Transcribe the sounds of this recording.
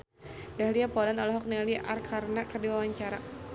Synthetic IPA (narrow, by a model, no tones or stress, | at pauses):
dahliapɔlanɔlɔɦɔk̚nɛliʔarkʰarnaʔkərdiwawaɲt͡ʃaɾa